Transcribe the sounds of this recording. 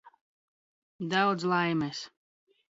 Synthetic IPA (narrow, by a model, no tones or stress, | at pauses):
d̪awd̪zlˠajmɛs